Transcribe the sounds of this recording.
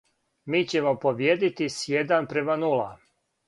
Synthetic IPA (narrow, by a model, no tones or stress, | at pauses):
miːt͡ɕe̞mo̞poʋjed̪it̪isjed̪anpɾe̞manula̰